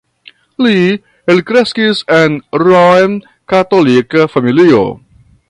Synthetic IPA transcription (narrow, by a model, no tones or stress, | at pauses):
li | elkɾeskisenɾojn | katolikafamilio̰